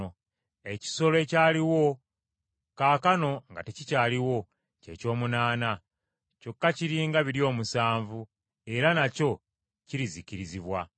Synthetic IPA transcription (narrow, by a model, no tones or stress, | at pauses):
eci̥so̞loe̞caːliwo̞ | kaːkano̞ŋɡa̰tecicaːliwo̞ | ce̞̰co̞ːmunaːna | co̞kːaciɾiːŋɡaβiɾjo̞ːmusaːɱvu | e̞ɾanaco̞ | ciɾiziciɾiziβwa